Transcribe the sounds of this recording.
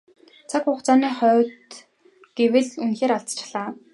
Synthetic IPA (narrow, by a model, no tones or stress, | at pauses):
t͡sʰakχʊːχt͡saːniːχœːt̪ | ɡ̥ewɘ̆ɮunxeːɾaɮt͡st͡ɕʰɮaː